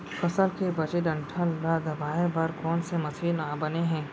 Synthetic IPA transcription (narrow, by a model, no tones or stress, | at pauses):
fɐsəlkebɐt͡ʃed̪ɐ̃ɳʈʰəlːad̪ɐbaːebɐɾkɔːnsemɐsiːnaːbɐneɦɛ̃ː